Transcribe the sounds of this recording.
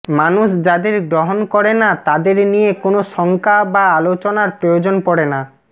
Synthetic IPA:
manuʃd͡ʑad̪eɾɡɾoɦonkɔɾenat̪ad̪eɾnijekonoʃɔŋkʰabaalot͡ɕonaɾpɾojod͡ʑonpɔɽena

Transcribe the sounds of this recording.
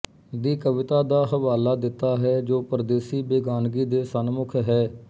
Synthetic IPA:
d̪iːkəʋɪt̪aːd̪aːɦəʋaːlaːd̪ɪt̪ːaːɦɛːd͡ʒoːpɾəd̪eːsiːbeːɡaːnɡiːd̪eːsənmʊkʰɦɛː

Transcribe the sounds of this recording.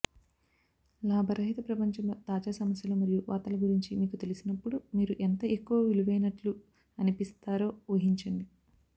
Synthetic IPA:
laːbʱɐɾɐɦit̪ɐpɾɐpɐɲt͡ʃɐmɐt̪aːd͡ʒaːsɐmɐsjɐloːmɐɾijuʋaːt̪ɐlɐɡuɾiɲt͡ʃimiːkut̪e̞lisinɐpːuɽumiːɾuʔent̪ɐʔekːuʋɐʋiluʋɐjnɐʈlu | ɐnipist̪aːɾo̞ːʋɐɦiɲt͡ʃɐnd̪i

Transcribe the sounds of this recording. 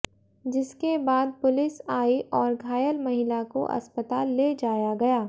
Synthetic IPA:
d͡ʒɪskebaːd̪̚pʊlɪsaːiʔɔːɾɡʱaːjəlmɐɦɪlako̰ʔɐ̰spət̪aːlːed͡ʒaːjaɡɐjaː

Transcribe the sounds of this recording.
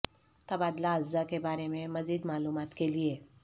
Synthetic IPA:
t̪abad̪laəzd͡zakebaɾememəd͡ziːd̪maluːmat̪keliːje

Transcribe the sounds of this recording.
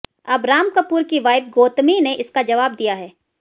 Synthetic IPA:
ɐbɾaːmkəpuːɾkiʋaːɪb̚ɡoːt̪mineʔɪskad͡ʒɐʋaːb̚d̪ijaɦɛː

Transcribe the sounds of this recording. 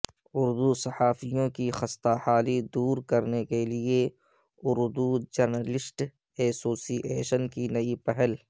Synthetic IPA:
ʊɾd̪usɐhaːfijõkixɐst̪ahaːlid̪uːɾkɐɾnekelie | ʊɾd̪ud͡ʒɐɾnəlɪsʈ | eːsoːsiʔeːʃənkinɐipɛɦəl

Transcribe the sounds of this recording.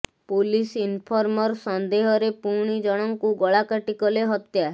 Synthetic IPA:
pulisinpʰɔɾmɔɾsɔnd̪eɦɔɾepuɾɽ̃id͡ʒɔɽ̃ɔŋkuɡɔɭakaʈikɔleɦɔt̪ja

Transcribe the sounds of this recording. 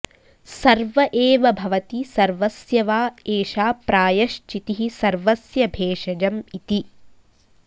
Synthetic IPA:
sɐɾʋɐʔeːʋɐbʱɐʋɐt̪isɐɾʋɐsjɐʋaːeːʃaːpɾaːjɐʃt͡ʃit̪iɦisɐɾʋɐsjɐbʱeːʂɐd͡ʒɐmit̪i

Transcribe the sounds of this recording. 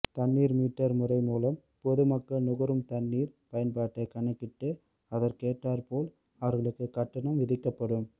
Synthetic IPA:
t̪ɐɳːiːɾmiːʈːɐɾmʊrɐɪmuːlɐm | pɔðɯmɐkːɐɭnʊɣɐɾɯmt̪ɐɳːiːɾpɐjɐnpaːʈːɐkɐɳɐkːɪʈːɯ | ɐðɐɾkeːʈːaːɾpoːl | ɐʋɐɾɣɐɭɯkːɯkɐʈːɐɳɐmʋɪðɪkːɐpːɐɽɯm

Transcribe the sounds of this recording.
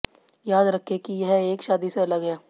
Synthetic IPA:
jaːd̪ɾɐkʰːekijɦɛeːkʃaːd̪iseɐləɡɦɛː

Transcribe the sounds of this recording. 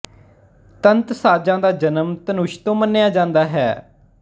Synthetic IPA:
t̪ənt̪saːd͡ʒãːd̪aːd͡ʒənəmt̪ənʊʃt̪õːmənːejaːd͡ʒãːnd̪aːɦɛ̰ː

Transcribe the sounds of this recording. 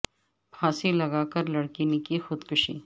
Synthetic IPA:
pʰaːsilɐɡaːkɐɾlɐɽkinɪkixʊd̪kʊʃḭː

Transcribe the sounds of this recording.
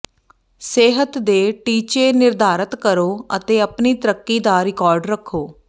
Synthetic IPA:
seːɦət̪d̪eːʈiːt͡ʃeːnɪɾd̪ʱaːɾət̪kəɾoːət̪eːəpniːt̪əɾəkːiːd̪aːɾɪkɔːɾɖɾəkʰːoː

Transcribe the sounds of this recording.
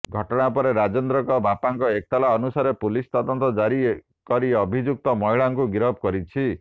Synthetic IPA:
ɡʱɔʈɔɽ̃apɔɾeɾad͡ʒɔnd̪ɾɔkɔbʱapaŋkɔek̚t̪alaɔnusaɾepulist̪ɔd̪ɔnt̪ɔd͡ʒaɾi | kɔɾiɔbʱid͡ʒuk̚t̪ɔmɔɦiɭaŋkuɡiɾɔb̚kɔɾit͡ʃʰi

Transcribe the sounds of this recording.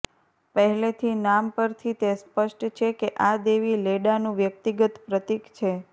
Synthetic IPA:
pəɦɛlet̪ʰinampəɾt̪ʰit̪espəʃʈt͡ʃʰekeʔad̪eʋileɽanũʋjəkt̪iɡət̪pɾət̪ikt͡ʃʰe

